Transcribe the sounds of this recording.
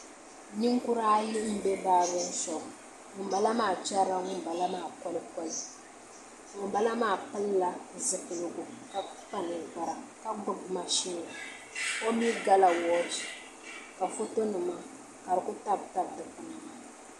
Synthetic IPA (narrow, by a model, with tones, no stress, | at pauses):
ni˦ŋku˦ɾaː˦jɪ˦m̩˦bɛ˦ba˦˨bɛ˦n̩˦sɔ˨ | ŋʊ˨m˦ba˨la˦maː˦˨t͡ʃa˦ɾa˦ŋʊ˦m˨ba˨la˦maː˦˨kɔ˦lɨ˦kɔ˦lɨ˦ | ŋʊ˨mba˦la˦maː˦˨pɨ˦lːa˨zɨ˨kɨ˨lɨ˨ɡʊ˨ka˨pa˦˨nɨ˨ba˨ɾa˨ka˦ɡʊ˦bma˨ʃi˦na˨a˨ | ko˦mi˦ɡa˦la˨wɔ˦d͡ʒi˨ | ka˨fo˦to˦nɨ˨ma˦ | ka˨ɾɨ˨kʊ˦ta˦bta˦bdɨ˨ku˨na˨